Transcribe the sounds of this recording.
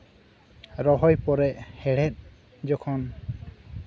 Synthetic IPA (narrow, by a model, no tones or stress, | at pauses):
ɾɔɦɔjpɔɾɛʔhɛɽɛt̪̚ˀ | d͡ʒɔkʰɔn